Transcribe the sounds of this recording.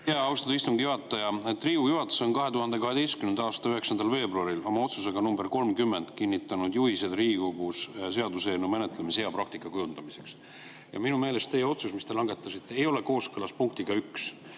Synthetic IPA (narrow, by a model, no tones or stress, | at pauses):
jæɑust̪ɑd̪ɑist̪umɡ̥ijuɦɑt̪ːˑɑjɑet̪ːˑriːujuɦɑt̪ːˑeso̞nkɑɦe̞t̪uhɑnd̪e̞kɑɦe̞d̪ejstkymenɑːst̪ɑyɦe̞ksɑnd̪̥ɑlve̞ːbruɑɾilo̞mɑo̞t̪suse̞ɡ̥ɑnumbe̞rko̞lmkymːe̞nd̪̥kinʲːit̪ːˑɑnud̪̥juhised̪riːikoɡ̥uss̬e̞ɑd̪use̞ːnːume̞net̪ːˑlemishe̞ɑprɑkt̪ikːˑɑkujund̪̥ɑmise̞ks | jɑ̰minume̞ːle̞st̪t̪e̞jeo̞t̪susmist̪e̞lɑŋɡe̞t̪ːˑɑsit̪ˑːeejo̞le̞ko̞ːskɯlɑspuŋk̚t̪iɡ̥ɑyks